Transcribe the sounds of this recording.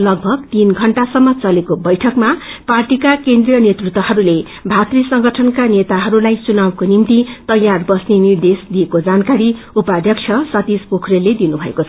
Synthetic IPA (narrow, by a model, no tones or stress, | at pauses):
lʌɡ̚bʱʌɡt̪inɡʱʌɳʈasʌmːʌt͡sʌlekobʌjʈʰʌkmaparʈikakend̪rijʌnjet̪rut̪wʌɦʌɾule | bʱat̪risʌŋɡʌʈʰʌnkanet̪aɦʌɾulajt͡sunawkonimt̪it̪ʌjarbʌsnenird̪esd̪iekod͡zankaɾi | upad̪ʱjʌk̚t͡ʃʰʌsʌt̪ispokʰrelːed̪inubʱʌḛkot͡sʰʌʌ